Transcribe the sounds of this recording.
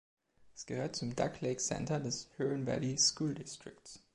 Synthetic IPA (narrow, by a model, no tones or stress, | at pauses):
ʔɛsɡ̥əhøːɐt̚t͡sʊmda̰kʰleɪksɛ̰ntɐdɛshøːənvɛ̰liskuːldɪstʁ̥ɪkts